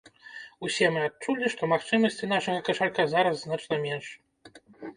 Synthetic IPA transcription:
usʲɛmɨat͡ʂulʲːiʂt̪ɔmaxt͡ʂɨmɐsʲt͡sʲinaʂɐɣɐkɐʂarkazaɾɐsːnat͡ʂnɐmʲɛnʂ

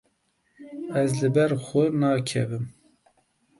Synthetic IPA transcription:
ɛzlɨbɛɾxʊnɑːkʰɛ̰vɨm

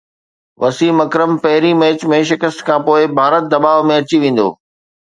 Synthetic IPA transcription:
ʋɐsiːmɐkɾəmpɐɦɪɾimɛːt͡ɕmẽʃ̬ɪkəst̪kʰãːpoːɪbʱaːɾət̪̚d̪ɐbaːʋmẽɐt͡ɕiʋẽːn̆d̪o̰ː

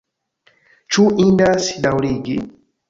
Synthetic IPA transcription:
t͡ʃuʔindasi̥ɗawliɡḭ

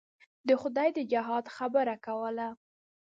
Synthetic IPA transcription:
d̪əxʊd̪ɑjd̪əd͡ʒaɦɑd̪xabəɾakawəla

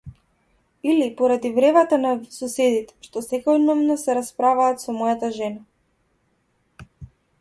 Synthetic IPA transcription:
ilipɔɾad̪ivɾɛvat̪anasɔsɛd̪it̪ɛ̥ʃt̪ɔsɛkɔnɔvnɔsɛɾaspɾavaːt̪sɔmɔjat̪aʒɛna

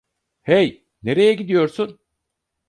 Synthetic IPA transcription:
hej | ne̞ɾe̞jɛɟid̪ijo̞ɾsun

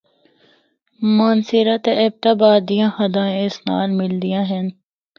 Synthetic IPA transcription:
maːnsɪɾat̪eʔeb̚t̪abaːd̪ijãhɐd̪ãːẽɪsna̰ːlmɪld̪ijãɦɛn

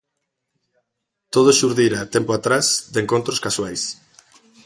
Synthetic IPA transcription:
t̪oð̞oʃuɾðiɾat̪ɛmpoat̪ɾasd̪eŋkont̪ɾoskaswajs

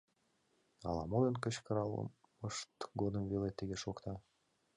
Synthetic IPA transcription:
ɑ̰lˠɑmojənkət͡ɕkəɾɑlˠə̰m | əʃt̪ɡod̪əmvelet̪ːəɣeʃokt̪ɑ

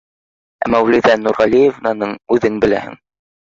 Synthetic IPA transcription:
æ̰mːɑwlɘ̆ðænuɾʁɑlʲijevnɑnɤɴʉðɘŋbɘ̆læ̰hɘ̰ŋ

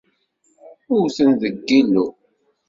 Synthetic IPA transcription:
ʊɾθənðəɡːilu

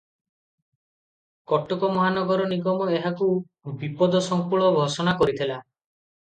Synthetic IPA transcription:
kɔʈɔkɔmɔɦanɔɡɔɾɔniɡɔmɔeɦaku | bipɔd̪ɔsɔŋkuɭɔbʱɔsɔnakɔɾit̪ʰila

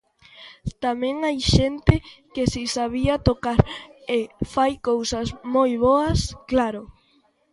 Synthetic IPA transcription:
t̪amɛ̃ŋajʃent̪ɪkɪsisaβiat̪okaɾefajkowsɐsmojβɔɐsklaɾʊ

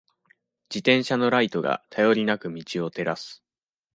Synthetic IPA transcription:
d͡ʑit̪ẽ̞ɰ̃ɕano̞ɾait̪o̞ɡa̰t̪ʰajo̞ɾʲinakɯ̟mʲit͡ɕio̞t̪e̞ɾasɨ̥

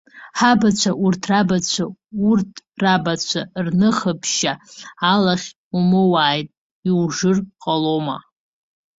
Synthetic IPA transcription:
ħabat͡ɕʷʰaʔurtʰrabat͡ɕʷʰaurtʰrabat͡ɕʷʰarnɨχəpʰʃaːlaχʲ | umɨwaːjtʼ | iwʐɨrqʼaloma̰

